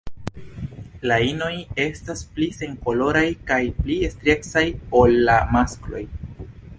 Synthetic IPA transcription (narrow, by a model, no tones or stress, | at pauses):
laino̞je̞stasplise̞ŋko̞lo̞ɾajkajpliestɾe̞ksajo̞lːamasklo̞̰j